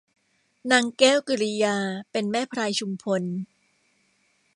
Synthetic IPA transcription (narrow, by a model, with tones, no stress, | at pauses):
naː˧ŋkɛː˥˩wkɯ˧˩ɾi˦˧jaː˧pe˧nmɛː˥˩pʰɾaː˧jt͡ɕʰu˧mkʰo˧n